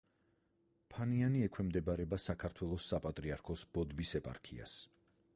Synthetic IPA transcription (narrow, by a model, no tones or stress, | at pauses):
pʰanianiɛkʰwɛmd̪ɛbaɾɛbasakʰaɾt̪ʰwɛlˠɔsːapʼat̪ʼɾiaɾkʰɔsbɔd̪visɛpʼa̰ɾkʰia̰s